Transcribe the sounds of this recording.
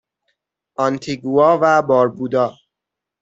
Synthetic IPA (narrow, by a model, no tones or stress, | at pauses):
ʔɒnt̪ʰiɡuɒːvæbɒːɾbuːd̪ɒː